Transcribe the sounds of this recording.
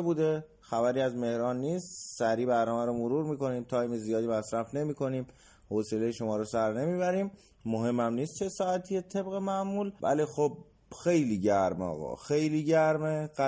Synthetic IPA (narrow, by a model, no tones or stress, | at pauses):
buːd̪e̞ | xæbæɾiːæzme̞hɾɒːnːiːst̪sæɾiːbæɾnɒːmæɾɔmoɾuːɾmiːko̞niːmt̪ʰɒːjmezijɒːd̪iːmæsɾæfne̞miːkʰo̞niːm | hoselejeʃomɒːɾɔsæɾne̞miːβæɾiːmː | oɦe̞mːæmniːst̪t͡ʃʰe̞sɒːæt̪ʰijet̪ʰe̞bɣemæmuːlvæ̰lixob̚ | xejliːɟæɾmɒ̰ːɣɒ̰xejliːɟæɾmeɢæ